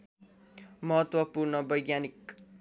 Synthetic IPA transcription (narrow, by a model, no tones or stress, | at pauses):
mʌɦʌt̪wʌpurnʌbʌjɡjanik